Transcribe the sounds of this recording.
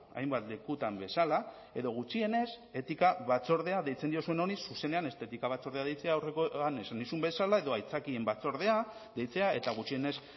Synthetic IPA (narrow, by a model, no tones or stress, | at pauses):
a̰jmbat̪le̞kut̪ambe̞sala | e̞ðo̞ɣ̞ut͡ʃie̞ne̞se̞t̪ikaβat͡so̞ɾð̞e̞aðe̞jt͡se̞nd̪io̞sue̞no̞nisuse̞ne̞ane̞st̪e̞t̪ikaβ̞at͡so̞ɾðe̞aðe̞jt͡se̞aːwrekoanesand̪isumbe̞salae̞ðo̞ajt͡sakie̞mbat͡so̞ɾð̞e̞a | ðe̞jt͡se̞ae̞t̪aɣ̞ut͡ʃie̞ne̞s